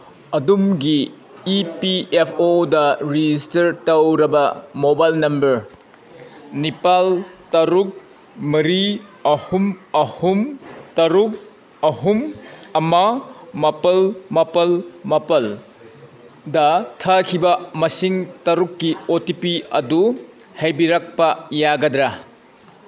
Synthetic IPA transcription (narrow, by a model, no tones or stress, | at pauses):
ɐdumɡiː | piepʰodɐɾid͡ʒistɐɾtɐwɾɐbɐmobajlnɐmbɐɾ | nipaltɐɾuk̚ | mɐɾiɐhumɐhumtɐɾuk̚ | ɐɦumɐmamɐpɐlmɐpɐlmɐpɐl | dɐtʰɐkʰibɐmɐsiŋtɐɾukːiotipiɐdu | hɐjbiɾɐk̚pɐjaɡɐd̪ɾa